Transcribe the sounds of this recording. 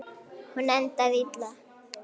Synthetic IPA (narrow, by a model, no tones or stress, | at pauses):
hʊnant̪aβɪt͡ɬa